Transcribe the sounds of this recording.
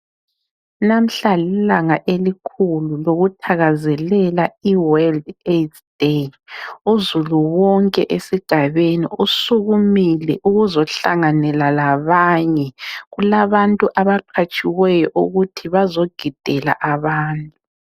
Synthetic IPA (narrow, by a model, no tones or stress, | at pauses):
nam̩ɬalilaŋaʔelikʰululoɣutʰaɣazɛlɛlaiwaldet | d̥e | uzuluwɔŋkʼɛ̰ʔesiɡ̥ʱaβenḭusuɣumilɛʔuɣuzɔɬaŋanɛlalaβaɲɛɣulaβantʼuʔaβaǃʰat͡ʃʼiwɛjɔʔuɣutʰiβazoɡ̥ʱid̥ʱɛla̰ʔaβaːntʼu